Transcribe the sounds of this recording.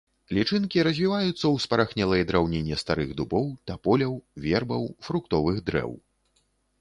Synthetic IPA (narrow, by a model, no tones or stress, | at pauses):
lʲit͡ʂɨnkʲiɾɐzʲvʲivajut̪sːɐwspɐɾaxnʲɛlˠɐjɛd̪ɾawnʲenʲːɛst̪aɾɨɣd̪ubɔwt̪apɔlʲɐwvʲɛrbɐwfɾukt̪ɔvɨɣd̪ɾɛ̰w